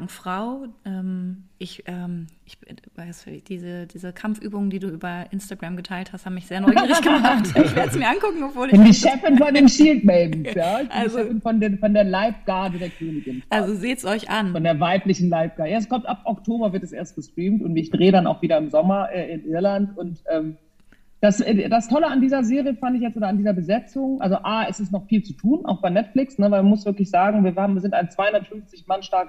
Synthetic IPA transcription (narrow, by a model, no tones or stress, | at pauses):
fʁ̥aʊʔɛmʔɪçʔɛːmɪçvaɪsd̥iːzəd̥iːzəkʰamfʔy̰ːbʊŋəndiːduːʔyːbɐʔɪnstaɡʁamɡətʰaɪlthasthaːbməmɪçz̥eːɐnɔɡ̥əmaχtɪçv̥eːɐdəzmiːɐʔankʊkŋ̩ɔpv̥oːlɪndiʃɛfənfɔndeːnʃiːltmɛlbn̩sjaːɪçb̥ɪniɛfɪnfɔndefɔndeːɐlaɪfɡ̥aɐdədeːɐkʰøːnɪɡɪnʔlzozeːtsɔʏçanfɔndeːɐvaɪplɪçn̩laɪp̚ɡ̥aːəjaɛskʰɔmtʔap̚ʔɔktʰoːbɐvɪɐtɛsʔḛːɐst̚ɡ̥əstʁ̥iːmtʊntɪçd̥ʁeːədana̰ʊxviːɾɐɪmzɔmɐʔɛːɪnʔɪɐlantʊntʔɛːm | d̥asɛdastʰɔləandiːzɐzeːʁijəfandɪçjɛt͡stʔoːdɐandiːzɐbəzɛt͡sʊŋʔa̰lzoʔaːʔɛsɪstnɔχfiːlt͡sutʰuːnʔa̰ʊxb̥aɪnɛtflɪksnəvaɪmamʊsv̥ɪɐklɪçz̥aːɡŋ̩viːɐhaːbm̩ːɐzɪntaɪnt͡sv̥aɪhʊndɐtfʏnft͡sɪçmanʃtaɐk